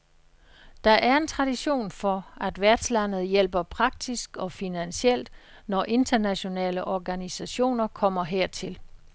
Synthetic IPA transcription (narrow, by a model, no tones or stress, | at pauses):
d̥ɑ̈ʔæɐe̝nt͡sʰʁɑ̈d̥iɕo̝̰ːnfɒ̽æd̥ʋæɐd̥slæn̰ð̞̩ˠjel̰b̥ɐpʰʁɑ̈ɡ̥̚d̥isɡ̥ɒ̽finænɕel̰d̥ | nɒʔe̝nd̥ɐnæɕo̝nɛ̰ːləʔɒɡ̥ænisæɕo̝̰ːnɐkʰɒ̽m̰ɐɦeɐ̰t͡sʰe̝l